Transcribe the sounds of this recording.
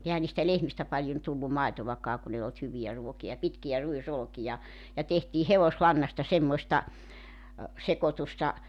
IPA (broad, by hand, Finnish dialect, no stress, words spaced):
ehæn̆ niːstæ lehmistæ pɑlʲjon tulːu mɑˑitoʋɑkɑː kun ei olt hyʋiæ ruokiɑ pitkiæ ruisolŏkijɑ jɑ tehtiː heʋoslɑnːɑstɑ semːosʲtɑ sekotustɑ